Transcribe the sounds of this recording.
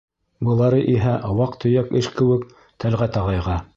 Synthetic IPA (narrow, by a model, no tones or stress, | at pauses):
bɤ̆lˠɑɾɤʔiɦæʔɑwɑqt̪ʰɵ̆jækɘʃkɘ̆wɘk | t̪ʰælʁæt̪ɑʁɑjʁɑ